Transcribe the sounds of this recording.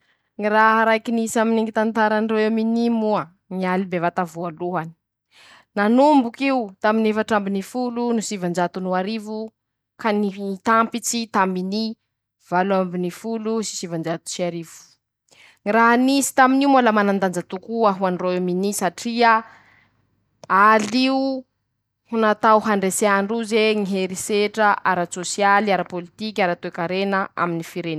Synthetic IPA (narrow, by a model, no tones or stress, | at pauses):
ŋiɾaɦaɾajkinisaminiŋɡit̪ant̪aɾaniroeminimua | nialibevat̪avualuɦani̥ | nanumbukiut̪aminefaʈ͡ʂambinifulunusivand͡ʒat̪unuaɾivu | kanit̪ampit͡sit̪ambini | v̥aluambinifulusi̥sivand͡ʒat̪u̥siaɾivu̥ | ŋiraɦanisi̥t̪aminiumaləmanand̪and͡zat̪ukuaɦuanroeminisaʈ͡ʂia | aliu | hunat̪awɦaɳɖ͡ʐeseaɳɖ͡ʐuzeŋiɦeɾiseʈ͡ʂəʔaɾasosijaliaɾapolit̪ikʲaɾat̪oekaɾenəa̰minifiɾen